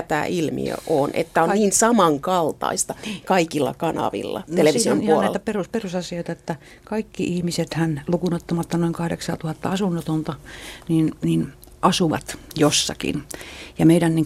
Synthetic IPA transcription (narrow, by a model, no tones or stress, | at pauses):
t̪æ̰ːʔilmḭø̰ʔoːnʔḛt̪ːæonniːnsɑmɑŋkɑlt̪ɑ̰ist̪ɑkɑikilːɑ̰kɑnɑ̰ʋḭlːɑ̰tneleisiomiuɑnolnæit̪æperusperusɑsioit̪ɑet̪ːæ | kɑikːiʔihmiset̪hænlukunot̪ːomɑt̪ːɑnoiŋkɑhdḛksɑːt̪uhɑt̪ːɑɑsunːot̪ont̪ɑniːnniːn | ʔɑsuʋɑ̰t̪josːɑ̰kḭnjɑmeiɾænniŋ